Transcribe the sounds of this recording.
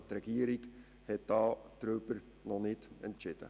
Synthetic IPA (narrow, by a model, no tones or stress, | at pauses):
trɛɡiəɾik | hɛt̚d̥ɑːtrøːpər | nɔnɪtɛntt͡ʃɪd̥ə̰